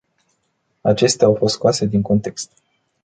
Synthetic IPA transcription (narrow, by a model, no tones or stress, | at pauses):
at͡ʃe̞st̪eaawfo̞st̪skoase̞d̪iŋko̞nt̪e̞kst̪